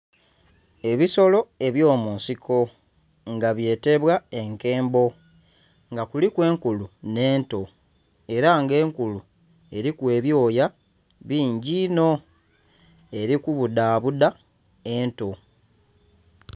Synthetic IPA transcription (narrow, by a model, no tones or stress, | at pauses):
e̞βiso̞lo̞e̞βjo̞ːmuːnsikʰo̞ | ŋɡaβje̞ːte̞βwae̞ŋke̞ːmbo̞ | ŋɡakulikwe̞ːŋkulune̞ːnto̞ | e̞ɾaŋɡe̞ːŋkulu | e̞ɾikwe̞ːβjo̞ːja | βiːɲɟiːno̞ | e̞ɾikuβudaːβuda | e̞nto̞